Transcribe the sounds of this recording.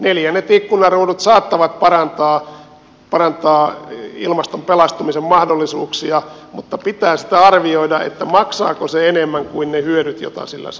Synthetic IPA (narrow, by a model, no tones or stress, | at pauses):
neljænːet̪ikːunɑruːdut̪sɑːt̪ːɑʋɑt̪pɑrɑnt̪ɑː | pɑrɑnt̪ɑːḭlmɑst̪ompelɑst̪umisemmɑhdolːisuːksiɑ | mut̪ːɑpit̪æːsi̥t̪æɑrʋioidɑḛt̪ːæmɑksɑ̰ːkoseenemːæŋkuinnehyøɾyt̪jo̰t̪ɑ̰silːæ̰s